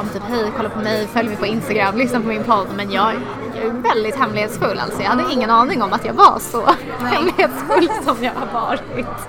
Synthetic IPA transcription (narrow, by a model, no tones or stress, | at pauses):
ɔmt̪ʰʉːpɦɛjkʰɔlːapʰɔmɛjfœljmɪpʰɔɪnst̪aɡɾamːlʏsnapɔmɪnpʰɔd̪ːmɛnjɑːɡ | jɑ̰ævɛld̪ɪt̪hɛmlɪheːt̪sfɵlːʔa̰lt̪sɔjɑːhad̪ːəɪŋːənɑːnɪŋɔmːat̪jɑːɡva̰ʂɔ̰ | hɛmlɪheːt̪sfɵlsɔmjɑːɡhaɾvɑ̰ːɾɪt̪